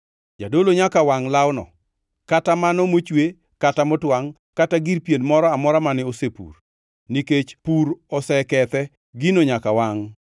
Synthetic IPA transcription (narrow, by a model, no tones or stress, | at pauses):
d͡ʒadoloɲakawaŋlawnɔ̰ | katamanɔmot͡ʃwe | katamɔtwaŋ | kataɡiɾpjenmɔɾɔamɔɾamanɪosepṵr | niket͡ʃpuɾɔsɛkɛt̪ɛ | ɡinoɲakawaŋ